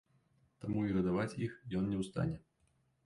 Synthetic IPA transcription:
t̪amuiɣɐd̪avat͡sʲixjɔnnʲɛwst̪a̰nʲɛ

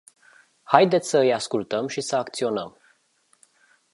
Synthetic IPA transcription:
hajd̪e̞t̪sʲsəɨjaskult̪əmʃisəakt̪sio̞nəm

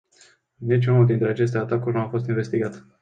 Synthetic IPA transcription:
nit͡ʃʲunuld̪int̪ɾe̞at͡ʃe̞s̬t̪e̞at̪akurʲnuafo̞st̪inve̞st̪iɡat̪

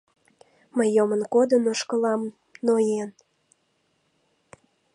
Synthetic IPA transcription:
məjːomənkod̪ənoʃkəlɑm | nojen

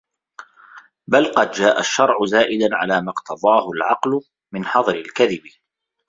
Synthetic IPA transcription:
balqɑd̪d͡ʒaːʔaʃːɑɾˤʕʊzaːʔɪd̪anʕa̰laːmɑqt̪ʰɑðˤɑːhʊlʕɑqlʊ | mɪnħɑðˤɾɪlkaðɪb

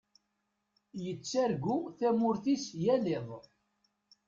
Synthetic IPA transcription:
jət͡sːæɾɡʷuθæmʊɾθisjæleðˤ

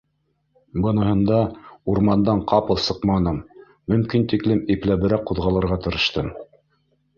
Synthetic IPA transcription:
bɤ̆nɤ̆hɤ̆nd̪ɑuɾmɑnd̪ɑɴqʰɑpɤ̆lˠsɤqmɑnɤmː | ɵ̆mkint̪iklɘmiplæβɘ̆ɾæq̚ːuðʁɑlˠɤ̆ɾʁɑt̪ɤ̆ɾɤ̆ʃt̪ɤm

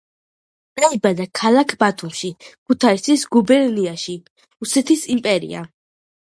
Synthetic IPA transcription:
aibad̪akʰalˠakʰbat̪ʰumʃikʰut̪ʰaisisɡubɛɾniaʃi | usɛt̪ʰisimpʼɛɾḭa̰

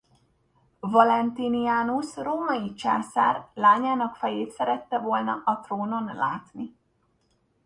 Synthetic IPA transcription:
vɒlɛnt̪iniaːnusroːmɒjit͡ʃa̰ːsa̰ːrlaːɲaːnɒkfɛjeːt̪sɛɾɛt̪ːɛvo̞lnɒ̰ʔɒt̪roːno̞nla̰ːt̪ni

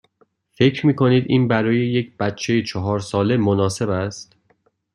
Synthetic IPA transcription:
fe̞cʰɾmiːkʰo̞niːd̪ʔiːnbæɾɒːje̞jec̚ʰb̥æt̪̚t͡ʃʰe̞jet͡ʃʰɒɦɒːɾsɒːle̞monɒːse̞bæst̪

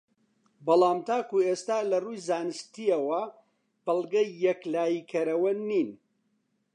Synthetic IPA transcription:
bɐlˠɑːmt̪ʰaːkueːst̪aːlɐruːjzaːnɨʃt̪iɐwɐ | bɐlˠɡɐjːɛklaːjiːkʰɐɾɐwɐniːn

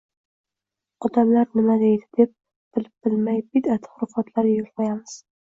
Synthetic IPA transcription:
ɒd̪amlaɾnɪmad̪e̞jd̪ɪd̪ep̚ | b̥ɪlɪp̚b̥ɪlmajbɪd̪at̪ʰɪ̥χɾʊfat̪ʰlaɾjʊlˠqɑjamɪz̥

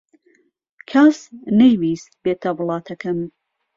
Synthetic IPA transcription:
kʰasnejwiːst̪̚beːt̪ʰɐwlˠɑːt̪ʰɐkʰɐm

